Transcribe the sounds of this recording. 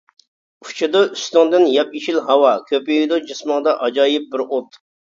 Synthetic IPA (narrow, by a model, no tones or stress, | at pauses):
ut͡ʃʰid̪ɑyst̪ɑŋd̪ɪnjɑpit͡ʃilɦɑwɑkʲʰøpijid̪ud͡ʒismɑŋd̪ɑʔɑd͡ʒɑːjip̚bɪɾot̪